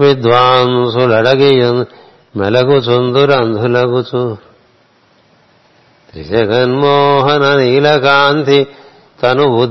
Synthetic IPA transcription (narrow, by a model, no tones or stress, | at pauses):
ʋid̪ʋaːnsulɐɽɐɡejon | mɛ̰lɐkut͡sund̪uɾɐnd̪ʱulɐɡut͡ʃu | t̪ɾḭsɐɡɐnmoːɦɐnɐniːlɐkaːnt̪ʰi | t̪ɐnuʋud̪